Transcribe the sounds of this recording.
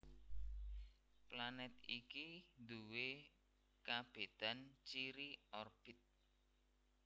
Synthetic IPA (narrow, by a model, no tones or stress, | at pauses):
planɛt̪̚ikind̪uwe | kab̥e̤d̪̥a̤nt͡ʃiɾiɔrb̥i̤t̪̚